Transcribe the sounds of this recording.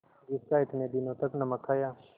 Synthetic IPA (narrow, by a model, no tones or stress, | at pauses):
ɡiskaːɪt̪neːd̪inoːt̪ɐknɐmɐkʰːajaː